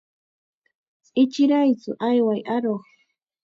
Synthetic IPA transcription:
t͡sʼɪt͡ʃɪɾajt͡sʊʔajwajʔaɾoχ

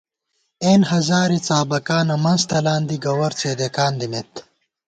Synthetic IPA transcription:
eːnhɐzaːɾit͡saːbɐkaːnɐmɐnst̪ɐlaːnd̪iɡɐwɐɾt͡seːd̪ekaːnd̪imet̪

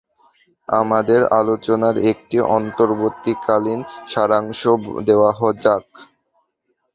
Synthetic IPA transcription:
a̰mad̪eɾa̰lot͡ɕonaɾek̚ʈiʔɔnt̪oɾbot̪ːikalinʃaɾaŋʃod̪eoaɦɔd͡ʑak

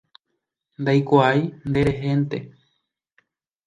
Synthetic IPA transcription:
nd̪ajkʷaajnd̪e̞ɾe̞ɦe̞nt̪e̞

